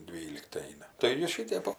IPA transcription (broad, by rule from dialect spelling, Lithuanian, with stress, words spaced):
ˈdʲʋʲiːlʲɪktʲɪ ˈɛɪnɐ tɐɪ ˈjiɛ ˈʃʲɪtʲɛp ˈoː